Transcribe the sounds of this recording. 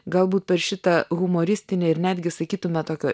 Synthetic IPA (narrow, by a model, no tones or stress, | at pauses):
ɡɐlˠbuːt̪̚pʲɛɾʃʲɪt̪ɐɣʊmoːɾʲɪsʲt̪ʲɪnʲeɪɾnʲæːd̪ʲɡʲɪsɐkʲiːt̪ʊmʲɛt̪oːkʲoː